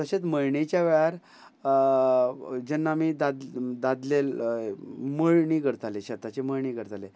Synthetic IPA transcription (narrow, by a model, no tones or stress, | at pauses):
t̪əɕet͡s̪məɭɳet͡ɕjaʋɛɭaɾ | d͡ʑenːaːmid̪ad̪d̪ad̪lel | məɭɳiːɡəɾt̪aleɕat̪ːat͡ɕeməɭɳiːɡəɾt̪ale